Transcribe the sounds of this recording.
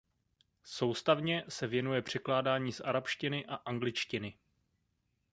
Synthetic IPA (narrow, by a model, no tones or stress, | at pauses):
so̞wst̪avɲɛsɛvjɛnujɛpr̝̥ɛklaːdaːɲiːsʔaɾapʃcɪnɪʔaʔaŋɡlɪt͡ʃcɪnɪ